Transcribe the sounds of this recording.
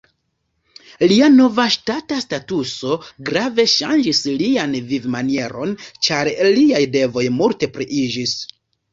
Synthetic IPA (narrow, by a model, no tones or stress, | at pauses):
liano̞vaʃtatastatuso̞ɡɾave̞ʃa̰nd͡ʒislianvivmanie̞ɾo̞nt͡ʃaɾliajde̞vo̞jmulte̞pɾiʔid͡ʒis